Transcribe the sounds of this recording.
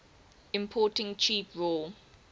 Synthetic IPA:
ɪ̃mpʰɔːˑtɪ̃ŋt͡ʃʰiːˑpʰɹol

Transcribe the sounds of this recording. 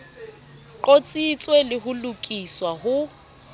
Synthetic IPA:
ǃot͡sʼit͡sʼwelɪɦʊlʊkʼiswahʊ

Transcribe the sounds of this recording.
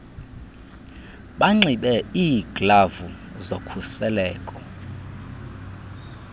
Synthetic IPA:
ɓaŋ͡ǀiɓɛiːɡ̥lavu | zokʰusɛlɛːkʼɔ

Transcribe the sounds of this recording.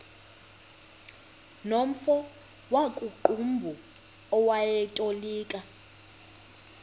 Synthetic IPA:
nom̩fɔ | wakʼuǃumbʱu | ɔwajɛtʼoliːkʼa

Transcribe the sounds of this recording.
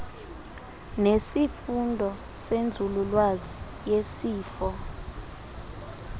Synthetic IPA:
nesifundʱɔ | send͡zʱululwazi | jesiːfɔ

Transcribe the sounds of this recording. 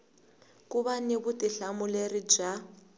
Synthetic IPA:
kʼuβanebʊtʼiɬamʊlerid͡ʒa

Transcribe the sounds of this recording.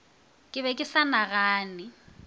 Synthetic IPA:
kʼɪβɛkʼɪsanaɣaːnɪ

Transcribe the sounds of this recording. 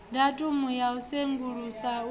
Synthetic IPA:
datʼumujauseŋɡuɺusa

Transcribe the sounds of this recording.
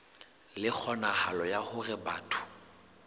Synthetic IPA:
lɪk͡xʰɔnahalɔjahʊrɪba̰ːtʰʊ̥

